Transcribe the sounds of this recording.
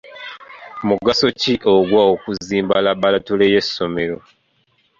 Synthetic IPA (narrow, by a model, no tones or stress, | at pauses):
muɡaso̞ciʔo̞ɡwaokuziːmbalabalatuleje̞sːo̞me̞ɾo̞